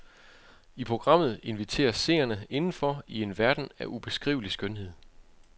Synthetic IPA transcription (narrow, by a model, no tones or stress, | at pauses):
ipʰʁo̝ɡ̥ʁɑ̈m̰ð̞̩ˠe̝nʋit͡sʰe̝̰ːɐsːe̝̰ːɐnəe̝nn̩fɒ̽ie̝nʋæɐd̥n̩æʔub̥e̝sɡ̥ʁḭːʊlisɡ̥ønɦe̝ð̞̰ˠ